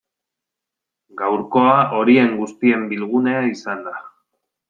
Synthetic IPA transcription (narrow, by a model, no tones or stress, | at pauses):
ɡawɾko̞aʔo̞ɾie̞ŋɡust̪ie̞mbilɣ̞une̞aisand̪a